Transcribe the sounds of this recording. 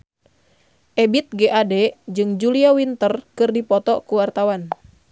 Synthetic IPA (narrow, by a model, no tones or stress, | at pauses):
ʔɛbit̪̚ɡɛʔadɛd͡ʒɨŋd͡ʒuliawint̪ərkɨrdipɔt̪ɔkuwart̪awan